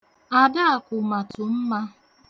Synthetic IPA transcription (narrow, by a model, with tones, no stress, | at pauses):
a˨da˦a˨kʊ˨ma˨tʊ˨m̩˦ma˦